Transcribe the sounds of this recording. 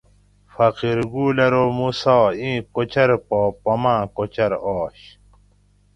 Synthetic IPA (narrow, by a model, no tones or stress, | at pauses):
fɐqiɾɡuːlɐɾoːmusaːĩːkot͡ɕʰɐɾpoːpɐmãːkot͡ɕɐɾoːɕ